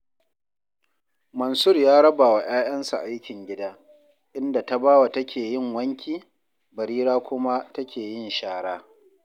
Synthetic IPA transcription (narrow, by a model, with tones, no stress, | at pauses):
mɐ˨nsʊ˦rjaː˦ɽɐ˦baː˨wa˨j̰aː˦j̰ɐ˦nsa˨ʔʔa˦jkʲɪ˨ŋɡʲɪ˦daː˦ | ʔɪ˦nda˨ta˦baː˦wa˨tɐ˦kʲʰeː˨jɪ˦˨ŋwɐ˦ŋkʲʰiː˦˨ | bɐ˨ɾiː˦ɾaː˦kʷʊ˦ma˦tɐ˦kʲʰeː˨jɪ˦nʃaː˨ɽaː˦